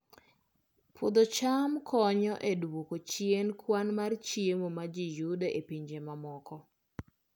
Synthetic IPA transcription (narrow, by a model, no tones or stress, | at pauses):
pʰʊd̪ɔt͡ʃamkʰɔɲɔʔedwokot͡ʃienkwanmart͡ʃjiemomad͡ʒijudeʔepiɲd͡ʒemamɔkɔ